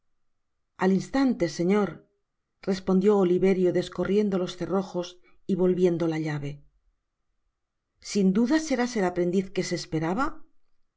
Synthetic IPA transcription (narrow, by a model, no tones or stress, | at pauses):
alinst̪ant̪e̞se̞ɲo̞ɾ | re̞spo̞nd̪jo̞ːliβe̞ɾjo̞ðe̞sko̞rje̞nd̪o̞lo̞sθe̞ro̞xo̞s | iβo̞lβje̞nd̪o̞laʎaβe̞ | sind̪uðase̞ɾase̞lapɾe̞nd̪iθke̞se̞ːspe̞ɾaβa